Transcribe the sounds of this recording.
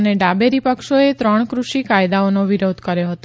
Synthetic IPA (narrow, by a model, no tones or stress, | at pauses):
neɖabeɾipəkʃoet̪ɾəɳ̃kɾuʃikajd̪aonoʋiɾod̪ʱkəɾjoɦət̪o